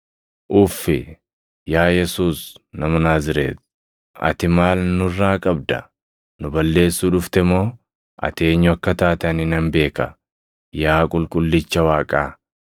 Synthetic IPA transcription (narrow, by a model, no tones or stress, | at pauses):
ʔʊːfːɪ | jaːjɛsuːsnɐmɐnaːzɪɾḛːt̪ | ʔɐ̰t̪ɪmaːlnʊrːaːkʼɐb̚d̪ɐ̰ | nʊbɐlːe̞ːsːuːᶑʊft̪ɛmo̞ː | ʔɐ̰t̪e̞ːɲːʊɐkːɐt̪aːt̪ɐnɪnɐmbe̞ːkɐ | jaːkʼʊlkʼʊlːɪt͡ʃːɐwaːkʼaː